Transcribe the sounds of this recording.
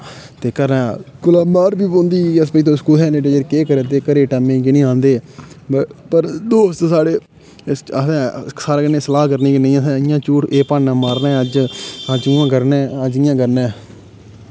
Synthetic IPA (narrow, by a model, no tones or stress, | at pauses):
t̪eːkəɾnãːkʊlaːmaːɾbiːbõːnd̪iːəs̬pəiːt̪õːskuːɛːneʈeːd͡ʒəɾkeːkəɾẽːt̪eːkəɾeːʈɛːmẽːkɪnĩːãːnd̪eː | pəɾd̪oːst̪saːɽeː | əsɛ̃ːsaːɾaːkənẽːsəlaːk̬əɾnĩːknẽːəsɛ̃ːɪjãːt͡ʃuːʈʰeːpaːɳãːmaːɾnɛːəd͡ʒəd͡ʒɪːãːkəɾnɛːəd͡ʒɪjãːkəɾnɛ̃ː